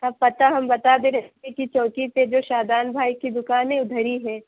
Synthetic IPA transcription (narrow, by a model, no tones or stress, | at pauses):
ɐbpɐt̪aɦɐmbɐt̪ad̪eɾɐɦt̪ekit͡ʃɔːkiped͡ʒoːʃaːd̪aːnbʱaːikid̪ʊkaːnẽʊd̪ʱəɾiɦɛː